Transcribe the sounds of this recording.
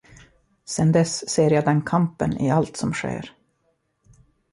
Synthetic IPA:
sɛnd̪ɛsːeːɾjaːd̪ɛnkʰampənɪ̰alt̪sɔmɧḛːɾ

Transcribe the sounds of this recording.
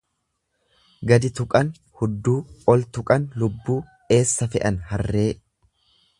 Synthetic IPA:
ɡɐd̪ɪt̪ʊkʼɐn | hʊd̪ːuːɔlt̪ʊkʼɐnlʊbːuː | e̞ːsːɐfɛʔɐnhɐrːe̞ː

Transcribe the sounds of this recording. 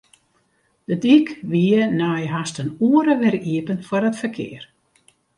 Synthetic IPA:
d̥ədikʋiənajɦastənuəɾəʋɛriəpənfɔrətfəkʰɪ̰ər

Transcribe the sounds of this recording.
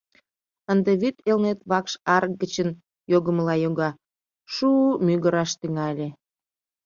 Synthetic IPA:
ənd̪eβyt̪elnet̪βɑkʃɑrkɡət͡ɕən | joɣəmlɑjoɣɑ | ʃuːmyɣəɾɑʃt̪yŋɑlʲe

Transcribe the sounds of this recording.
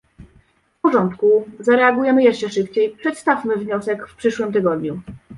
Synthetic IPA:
fpɔʐɔnt̪kuzaɾɛaɡujɛmɘjɛʂt͡ʂɛʂɘpt͡ɕejpʂɛt̪st̪afmɘvɲɔsɛkfpʂɘʂwɘmt̪̬ɘɡɔd̪ɲu

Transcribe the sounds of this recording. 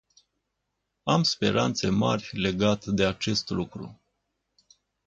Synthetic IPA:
amspe̞̰ɾant̪se̞ma̰rʲle̞ɡat̪d̪e̞at͡ʃe̞st̪lukɾṵ

